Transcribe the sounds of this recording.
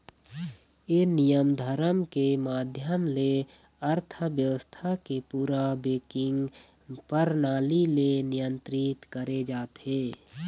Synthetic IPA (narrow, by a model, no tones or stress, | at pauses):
enijəmd̪ʱəɾəmkemaːd̪ʱjəmle | əɾt̪ʰəʋjəʋəst̪ʰakepuːɾabeːkɪ̃ŋɡ | pəɾnaːlilenɪjə̃nt̪ɾɪt̪kəɾed͡ʒaːt̪ɦeː